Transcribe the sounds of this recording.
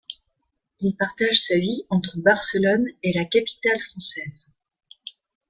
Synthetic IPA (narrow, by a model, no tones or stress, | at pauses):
ilpaʁt̪aʒsaviɑ̃t̪χəbaʁsəlɔnelakapi̥t̪alfχɑ̃sɛz